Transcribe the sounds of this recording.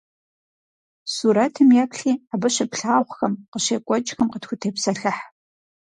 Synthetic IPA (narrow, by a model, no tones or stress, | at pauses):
suːɾɐtʰɨmjɛkɬiːabɐɕɐpɬaːwʷxɐmqəɕeːkʷʼɔt͡ʃʼxɐmqətxʷʊtʰeːpsɐɬɐħ